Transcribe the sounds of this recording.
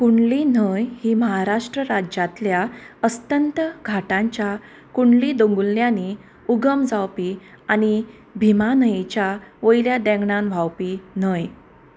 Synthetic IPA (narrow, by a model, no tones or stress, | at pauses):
kuɳlinəjhiːməɦaɾaʂʈɾəɾad͡ʑat̪ljaəst̪ənt̪əɡʱaʈãɲt͡ɕja | kuɳlid̪õŋɡulːjani | uɡəmd͡zawpiː | ani | bʱimanəjet͡ɕjaʋəjljad̪ɛ̃ŋɡɳanʋ̤ʱawpin̤əj